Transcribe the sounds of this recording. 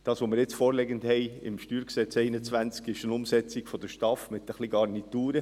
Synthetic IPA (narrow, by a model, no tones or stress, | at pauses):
d̥ɑːsʋomɪɾjɪt͡sfoːɾlɛɡəndhɛɪɪ̰mʃtyːɾksɛt͡sɛɪnət͡sʋænt͡skɪʃənʊmsɛt͡sɪɡfɔd̪əʃtɑfmɪt̪əχliɡɑrnituːɾə